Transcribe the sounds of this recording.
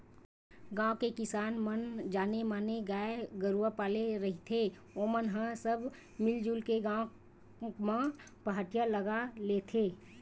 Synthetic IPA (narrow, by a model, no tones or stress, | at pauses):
ɡãːõkekɪsaːnmənd͡ʒaːnemaːneɡaːeɡəɾuəpaːleɾəɦit̪ʰe | omənɦə̃səb | mɪld͡ʒulkeɡãːw | mã | pəɦaːʈijaləɡaleːt̪ʰeː